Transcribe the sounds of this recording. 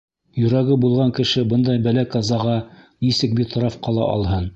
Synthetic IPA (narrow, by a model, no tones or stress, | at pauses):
jɵ̆ɾæɡɘbulˠʁɑŋkɘ̆ʃɘbɤnd̪ɑjbælækɑzɑʁɑnisɘk̚bit̪ɾɑfqɑlˠɑ̰ʔɑ̰lˠɦɤn